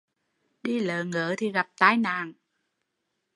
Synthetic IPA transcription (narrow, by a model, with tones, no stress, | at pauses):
ɗi˧ləː˨ŋəː˧˨˦t̪ʰi˨˩ɣa˨˩p̚t̪aː˧jnaː˨˩ŋ